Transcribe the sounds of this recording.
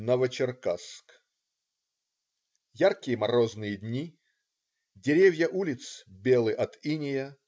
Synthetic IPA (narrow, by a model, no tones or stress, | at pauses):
nəvət͡ɕɪrkask | jarkʲɪjəmɐɾoznɨjədʲnʲi | dʲɪɾʲevʲjəʔulʲɪt̪sbʲelˠɨʔɐt̪inʲɪjə